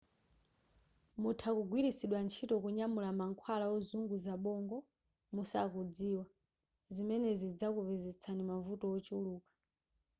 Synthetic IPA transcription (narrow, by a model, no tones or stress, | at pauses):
mutʰakuɡʱwiɾisiɗwant͡ʃʰitɔkuɲamulamaŋkʰwalaɔzuŋɡuzaɓɔŋɡɔ | musa̰kud͡ziːwa | zimɛnɛzid͡zakuvɛzɛt͡sʰanimavutɔɔt͡ʃiuluːkḁ